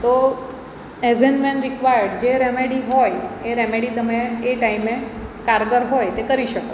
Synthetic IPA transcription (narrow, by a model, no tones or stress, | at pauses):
t̪o | ezenmẽnɾikʋajəɖd͡ʒeɾemeɽiɦojeɾemeɽit̪əmeːʈaimekaɾɡəɾɦojt̪ekəɾiʃəko